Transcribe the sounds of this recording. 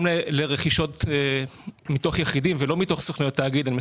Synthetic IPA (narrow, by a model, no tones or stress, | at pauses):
meleʁeχiʃo̞t | mito̞χjeχidimvelo̞mito̞χsoχnajot̪ːaːɡid̪anime